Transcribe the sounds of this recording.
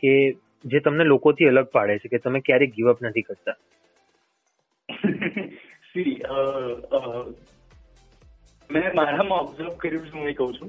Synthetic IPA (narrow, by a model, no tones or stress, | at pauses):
ke | d͡ʒet̪əmnelokot̪ʰiələɡ̚paɭet͡ʃʰeket̪əmekjaɾeɡiʋəpnət̪ʰikəɾt̪a | siəə | mɛmaɾamãɔbzəɾʋkəɾjũt͡ʃʰeũɦekəɦũt͡ʃʰũ